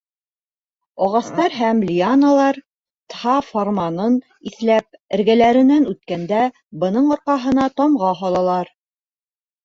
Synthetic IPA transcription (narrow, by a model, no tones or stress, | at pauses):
ɒʁɑst̪ɑɾɦæmlʲianalˠɑɾ | t̪hɑformanɤn | iθlæp̚ɘ̆ɾɡælæɾɘ̆nænʉt̪kænd̪æ | bɤ̆nɤɴŏɾqɑɦɤ̆nɑt̪ɒmʁɑɦɒlˠɑlˠɑɾ